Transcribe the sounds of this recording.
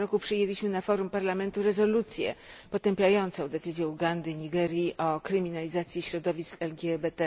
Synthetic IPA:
ɾɔkupʂɘjelʲiɕmɘnafɔɾumpaɾlamɛnt̪uɾɛzɔlut̪sʲjɛ̰pɔt̪ɛmpʲjajɔnt̪sɔ̃w̃d̪ɛt̪sɘzʲjɛuɡand̪ɘɲiɡɛɾʲjiʔɔkɾɘmʲinalʲizat̪sʲjiɕɾɔd̪ɔvʲiskɛlɡʲjɛbɛt̪ɛ

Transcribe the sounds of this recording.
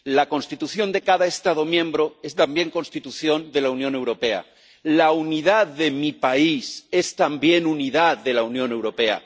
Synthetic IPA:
lako̞nst̪it̪uθjo̞nd̪e̞kaðaest̪að̞o̞mjẽ̞mbɾo̞e̞st̪ambje̞ŋko̞nst̪it̪uθjo̞nd̪e̞launjõne̞wɾo̞pe̞a̰ | launiðaððe̞mipaise̞st̪ambje̞nuniðaððe̞launjõ̞ne̞wɾo̞pe̞a̰

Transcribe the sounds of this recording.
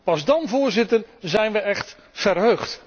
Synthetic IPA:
pɑzdɑnvʊːɹzɪtərzɛjnʋəɛχt | fərɦøɥχt

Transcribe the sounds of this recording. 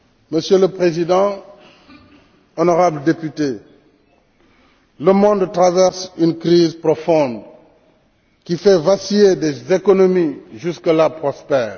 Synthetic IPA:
məsjøləpχezidɑ̃ | ɔnɔʁablədepyte | ləmɔ̃nd̪t̪ʁavɛʁsynkriːzpɾɔfɔ̃nd̪ | kifɛvasiedezekonomiʒyskəlapʁɔspɛːʁ

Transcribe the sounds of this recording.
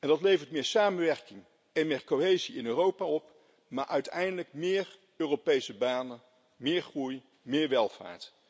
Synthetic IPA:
ɛndɑtlejvəɹtmɪːɹsaːmənʋɛɹkɪŋ | ɛnmɪːɹkoɦejziɪnøːrowpaɔp | maːɹʔœɥtɛjndələk̚mɪːr | øːrowpejsəbaːnə | mɪːɹχruj | mɪːɹʋɛlˠv̥a̰ːɹt

